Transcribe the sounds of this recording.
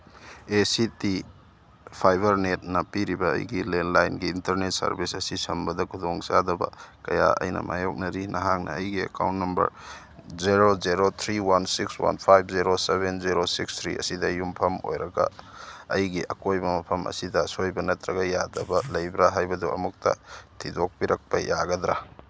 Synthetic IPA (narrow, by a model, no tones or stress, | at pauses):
esiti | pʰajbɐɾnet̚nɐpiɾibɐɐ̰jɡilenlajnɡiːntɐɾnet̚sɐ̰ɾbisɐsisɐmbɐdɐkʰudoŋt͡ʃadɐbɐ̰kɐja̰ʔɐ̰jnɐ̰ma̰jok̚nɐɾinʔɐɦak̚nɐ̰ːjɡiɐ̰ka̰wntnɐmbɐ̰ɾ | ziɾozeɾot̪ʰɾiwansikswa̰npʰajb̚ʰziɾosebenziɾosikst̪ʰɾḭɐ̰sidɐjumpʰɐmo̰jɾɐɡɐ̰ː | jɡiʔɐkojbɐmɐpʰɐmʔɐ̰sidɐsojbɐnɐtɾɐɡɐjadɐbɐlɐjbɾaɦajbɐduɐ̰muk̚tɐ̰tʰidok̚piɾɐk̚pɐjaɡɐdɾa